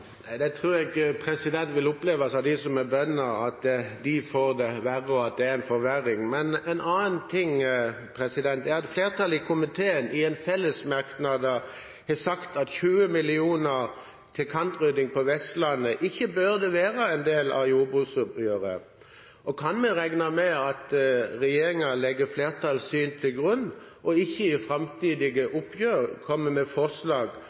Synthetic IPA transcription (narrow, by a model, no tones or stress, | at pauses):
næɪd̪ɛt̪ʰʁʉːɾɛɡpʰɾɛsɪd̪ɛnt̪ʋɪlʊpleːʋɑsɑʋd̪ɪsɔmɛbœnːəɾɑt̪d̪ɪfoːʁd̪ɛʋæʁəɔɑt̪̚d̪ɛæɾɛnfɔʋæɾɪŋmɛnɛnɑːnnt̪ʰɪŋ | pʰɾɛsɪd̪ɛnt̪ɛɾɛt̪fleːʁt̪ʰɑlɪkʰʊmɪt̪ʰeːənɪɛnfɛlːəsmɑʁknɑd̪ə | hɛsɑkt̪ɑt̪çʉːəmɪlɪuːnəʁ | t̪ʰɪlkʰɑnt̪ʁʏd̪ɪŋpʰɔʋɛst̪lɑnːəʔɪçːəbøʁd̪ɛʋeːɾɑɛnd̪eːlɑ̰juːbʉsʊpjøːʁə̰ | ʔɔkʰɑnmɛʁæɡnɑmɛɑt̪ʁɛjeːɾɪŋɑlɛɡːəfleːʁt̪ʰɑlsyːnt̪ʰɪlɡʁʉnː | ʔɔɪçːəɪfʁɑmt̪ʰiːd̪ɪɡəʔʊpʰjøːʁkʰɔmːəmɛfɔslɑːɡ